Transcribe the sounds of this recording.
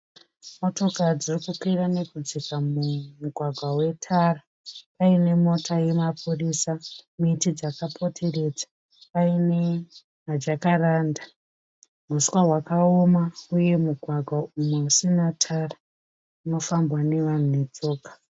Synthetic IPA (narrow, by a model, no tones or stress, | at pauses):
mo̞to̞kad͡zirikukwirane̞kud͡zikamumuɡʱwaɡʱwawe̞tʰara | paine̞mo̞tʰaje̞mapʰuriːsamitid͡zakapʰo̞tʰe̞re̞d͡zḁ | paine̞ | ɦad͡ʒakaraːnda | m̤uswaɦwakao̞mauje̞muɡʱwaɡʱwaumusinatʰara | uno̞fambwane̞ʋan̤une̞d͡zo̞ːkḁ